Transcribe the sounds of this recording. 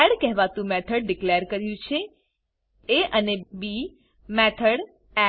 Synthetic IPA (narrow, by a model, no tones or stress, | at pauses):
ɛɽkɛɦʋat̪ũmɛt̪ʰəɽɖɪkleəɾkəɾjũt͡ʃʰe | eʔənebi | mɛt̪ʰəɽ | ɛ